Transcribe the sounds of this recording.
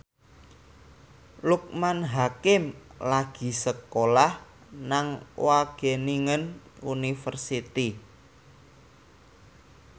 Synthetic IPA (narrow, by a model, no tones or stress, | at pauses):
luk̚manɦakɪmlaɡ̥i̤səkolah | naŋwaɡ̥e̤niŋən | unifərsit̪i